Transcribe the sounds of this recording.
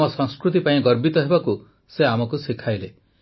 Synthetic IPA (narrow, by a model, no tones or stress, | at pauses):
ɔsɔŋskɾut̪̬ipaĩɡɔɾbit̪ɔɦebaku | seamɔkusikʰajle